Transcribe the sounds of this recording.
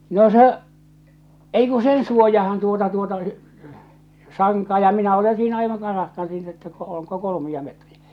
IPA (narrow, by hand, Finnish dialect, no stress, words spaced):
no se ei ku sen suojɑhɑn tuotɑ tuotɑ sɑŋkɑː jɑ minæ ole siːnæ ɑiʋɑŋ kɑrɑhkɑn siːnæ etːæ ko oːŋko kolomiɑ metriæ̥